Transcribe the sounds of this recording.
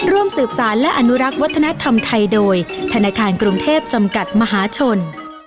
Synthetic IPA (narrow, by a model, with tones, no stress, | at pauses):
ɾu˥˩əmsɯː˨˩p̚saː˩˦nlɛ˦˥ʔa˧nu˦˥ɾa˦˥k̚wa˦˥t̪ʰːa˧na˦˥t̪ʰa˧mt̪ʰa˧jdoː˧jt̪ʰa˧naː˧kʰaː˧nkɾu˧ŋt̪ʰeː˥˩p̚t͡ɕa˧mka˨˩t̪̚ma˧ɦaː˩˦t͡ɕʰo˧n